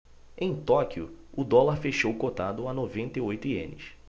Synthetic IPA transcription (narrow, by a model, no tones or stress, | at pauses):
ẽj̃t̪ɔkiʊʊd̪ɔlaɾfeʃowkot̪ad̪ʊanovẽnt̪ejojt̪ʊiḛ̃nɪ̰s